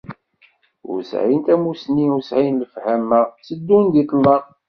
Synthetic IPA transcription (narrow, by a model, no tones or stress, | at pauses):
ʊ̰ɾsʕint̪æmusniuɾsʕinləfhæmət͡sːəd̪ːund̪it̪ˤlːɑʁˤ